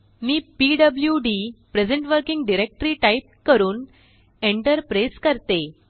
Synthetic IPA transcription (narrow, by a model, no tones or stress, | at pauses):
miːpiːɖəbljuɖiːpɾed͡zəɳʈʋəɾkiŋɡɖiɾek̚ʈɾiːʈaip̚kəɾuːn | eɳʈəɾpɾeskəɾt̪e